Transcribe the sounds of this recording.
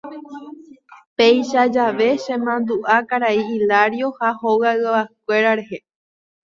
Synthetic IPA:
pejʃad͡ʒaʋe̞ʃẽmãnd̪uʔakaɾaiilaɾjo̞hahowaɨaakʷe̞ɾaɾe̞he

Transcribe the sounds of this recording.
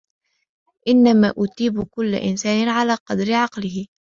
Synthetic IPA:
ʔɪnːamaːʔʊt̪iːbkʊlːa̰ʔɪ̰nsaːnɪnʕalaːqɑd̪ɾɪʕɑqlɪhɪ

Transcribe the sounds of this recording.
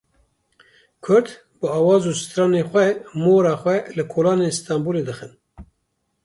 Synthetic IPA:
kʰʊɾd̪ | bɨɑːwɑːzuːsɨ̥t̪ɾɑːneːxʷɛmoːɾɑːxʷɛlɨkʰoːlɑːnenst̪ɑmbuːleːd̪ɨxɨn

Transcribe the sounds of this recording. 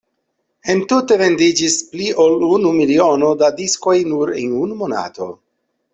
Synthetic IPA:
e̞ntute̞ve̞ndid͡ʒispliʔolunumilio̞no̞dadisko̞jnuɾḛnunumo̞na̰to̞̰

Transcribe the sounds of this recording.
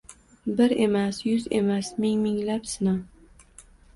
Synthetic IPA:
bɪɾe̞masjʊze̞masmɪŋmɪŋlapsɪnaw

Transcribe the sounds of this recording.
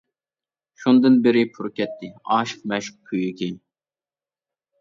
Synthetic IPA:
ʃund̪ɨnbɪɾɪpʰuɾkʲɛt̪ʰːɪɑːʃɨ̥q̚mɛʃu̥q̚kʲʰyjykʲʰej

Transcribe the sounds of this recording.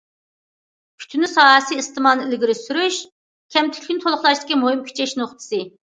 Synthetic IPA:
kʲʰy̥t̪ʰynɪsɑːɦɛsɨːst̪ɨmɑlnɨilɡʲiɾɪsyɾyʃ | kʲʰɛmt̪ʰy̥kʲʰynt̪ʰolˠʊχlˠɑʃd̪ɪ̥kʲimoɦɨmkʲʰy̥t͡ʃʰɛʃnoχt̪ʰɨ̥sɨ

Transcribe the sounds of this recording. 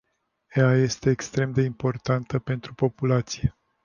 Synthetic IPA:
eaje̞st̪e̞ːkst̪ɾe̞md̪e̞impo̞rt̪ant̪əpe̞nt̪ɾupo̞pulat̪sije̞

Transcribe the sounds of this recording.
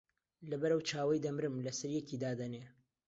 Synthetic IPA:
lɐbɐɾɐwt͡ʃʰaːwɐjd̪ɐmɾɨmlɐsɐɾjɛkiːd̪aːd̪ɐneː

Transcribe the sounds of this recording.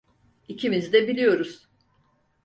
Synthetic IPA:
icʰimizd̪ɛbilʲijo̞ɾuz̥

